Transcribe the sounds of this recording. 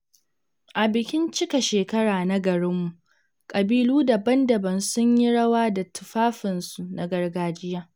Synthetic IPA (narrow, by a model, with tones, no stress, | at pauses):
ʔa˨bɪ˨kʲɪ˦nt͡ʃɪ˦ka˨ʃeː˨kɐ˦ɽaː˨na˦ɡɐ˨ɽɪ˦mːu˨ʔ | kʼɐ˨biː˦luː˦da˨bɐ˦ndɐ˨bɐ˨nsʊ˦ɲji˦ɽɐ˦waː˦da˨tʊ˨ɸaː˦ɸɪ˨nsu˨na˨ɡɐ˦rɡaː˦d͡ʒɪ˦jaː˦